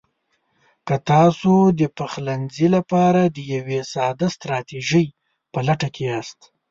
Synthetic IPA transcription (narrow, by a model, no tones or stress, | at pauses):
kat̪ɑsod̪əpaxlanzilapɑɾad̪əjawesɑd̪ast̪ɾɑt̪iʒəj | pəlaʈakʰeast̪